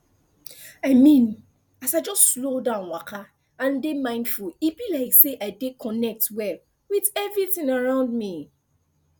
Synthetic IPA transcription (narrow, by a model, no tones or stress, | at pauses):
aɪmĩn | asaɪd͡ʒɔstslodãʊ̃nwakʰa | ãndemãɪ̃ndfulibilaɪkseʔaɪdekʰɔnɛk̚twɛl | wiðɛvɹiθĩŋaɹãʊ̃nd̚mi